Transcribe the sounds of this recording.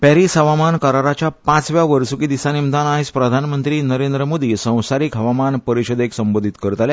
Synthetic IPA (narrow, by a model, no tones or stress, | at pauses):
pɛɾisɦəʋamankəɾaɾat͡ɕjapãt͡sʋjaʋəɾsukid̪isanimd̪anaɦispɾəd̪ʱanmənt̪ɾiːnəɾend̪ɾəmod̪isə̃w̃saɾiːkɦəʋamanpəɾiɕəd̪eksəmbod̪ʱit̪kəɾət̪alja